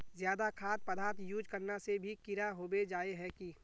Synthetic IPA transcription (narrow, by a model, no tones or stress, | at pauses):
zjaːd̪akʰaːt̪̚pɐd̪aːɾt̪juːd͡ʒkəɾnasebʱikɪɾaɦoːbed͡ʒaːeɦɛkiː